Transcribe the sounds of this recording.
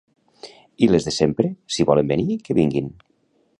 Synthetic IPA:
ilezðesempɾesiβɔlembenikeβiŋɡin

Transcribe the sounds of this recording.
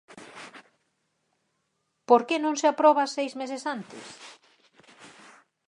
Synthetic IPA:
poɾkenõŋseapɾɔβasejzmesɪsant̪ɪ̰s

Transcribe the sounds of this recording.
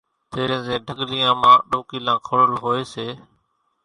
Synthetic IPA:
t̪eːɾẽːzẽːɖʱəɡlɪjãːmãːɗoːkiːlãːkʰəɽəlɦoːeːseː

